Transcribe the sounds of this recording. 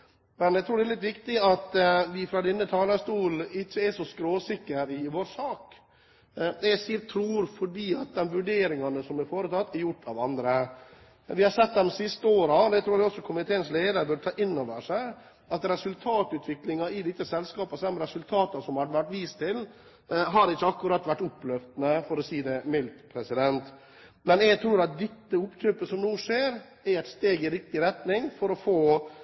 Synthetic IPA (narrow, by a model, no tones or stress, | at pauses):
mɛnæɪt̪ʰɾuːɖɛlɪt̪̬ːʋɪkt̪ɪɑt̪ʋɪfɾɑːd̪ɪnːət̪ʰɑːləst̪uːlɪt͡ɕːəɛʂɔskɾoːsɪkːəɾɪʋoːɾsɑːk | ɛsiːt̪ʰːɾuːɾfɔɖiːɑt̪̚d̪ɛmʋʉɖeːɾɪŋɑnəsɔmɛɾfoːɾət̪ʰɑt̪ːɛɾjʊʈːʰɑʋɑnd̪ɾə | ʋɪhɑɾsɛt̪̚ːd̪ɛmsɪst̪əoːɾɑɔd̪ɛt̪ʰɾuːɛɔsːɔkʰʊmɪt̪ʰeːənsleːd̪əɾbœɖt̪ʰɑːʔɪnːɔʋəʂæɪ | ɑt̪ɾɛsʉlt̪ʰɑːt̪ʉːt̪ʰʋɪklɪŋɑɪd̪ɪt̪ːəsɛlskɑːpəsɛmɾɛsʉlt̪ʰɑːt̪ɑsɔmhɑɖ̪əʋæʈʋiːst̪ʰɪl | ɦɑɾɪt͡ʃːəɑkːʊɾɑt̪ːʋæʈːʊpːlœft̪nəfɔɾɔsiːd̪ɛmɪlt̪pʰɾɛsɪd̪ɛnt̪ | mɛnɛɡt̪ʰɾuːɾɑt̪̚d̪ɛt̪ːəʊpt̪ʰøːpəsɔmnuːʂeːɾ | æɛɪt̪st̪eːɡɪɾɪk̚t̪ɪɾɛt̪nɪŋfɔɾɔfoː